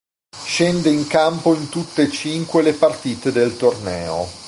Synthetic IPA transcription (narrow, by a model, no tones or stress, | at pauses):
ʃend̪eiŋkampoint̪ut̪ːet͡ʃiŋkwelepart̪iːt̪ed̪elt̪ornɛːo̰